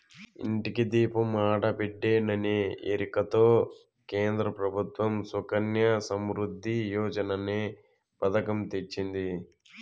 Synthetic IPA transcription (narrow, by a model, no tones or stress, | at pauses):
ḭɳʈikid̪iːpumaːʈɐpeɖːeːnɐneḛːɾikɐt̪oː | keːnd̪ɾɐpɾɐbʱut̪ʋɐmsukɐnjɐsɐmɾud̪ʱːijɔːd͡ʒɐnɐneː | pɐt̪ɐkɐmt̪et͡ʃːind̪i